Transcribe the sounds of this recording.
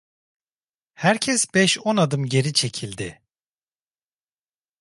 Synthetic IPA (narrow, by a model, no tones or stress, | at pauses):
hæɾcʰɛsbɛʃonad̪ɯmɟe̞ɾit͡ʃʰe̞cʰilʲd̪ɪ